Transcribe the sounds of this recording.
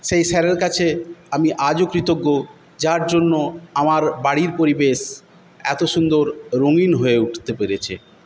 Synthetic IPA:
ʃejʃɛɾeɾkat͡ɕʰeamiʔad͡ʑokɾit̪oɡːo | d͡ʑaɾd͡ʑonːoamaɾbaɽiɾpoɾibeʃ | ɛ̰t̪oʃund̪oɾːoŋinɦoeuʈʰt̪epeɾet͡ɕʰḭ

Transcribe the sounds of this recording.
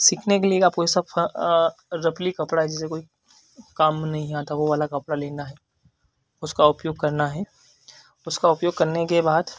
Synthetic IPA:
siːkʰnekeliekaːpkoːisɐb | ɾɐplikɐpɽaɦɛd͡ʒɪs̬ekoːi | kaːmnɐɦĩaːt̪aʋoʋaːlakɐpɽaleːnaɦɛː | ʊskaʊpjoːɡ̚kɐɾnaɦɛː | ʊskaʊpjoːɡ̚kɐɾnekebaːd̪

